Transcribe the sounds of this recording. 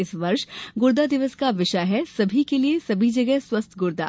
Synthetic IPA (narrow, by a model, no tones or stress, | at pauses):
ɪsʋɐɾʃɡʊɾd̪ad̪ɪʋəskaʋɪʃaɦɛsɐbʱikeliesɐbʱid͡ʒɐɡɛɦswɐst̪ʰɡʊɾd̪a̰ː